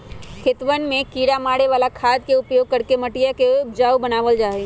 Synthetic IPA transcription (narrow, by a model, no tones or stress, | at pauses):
kʰɪt̪ʋənmẽkiːɾamaːɽeʋaːlakʰaːd̪̚keʊpjoːɡ̚kəɾkeməʈijakeʊbd͡ʒaːubənaːʋəld͡ʒaːe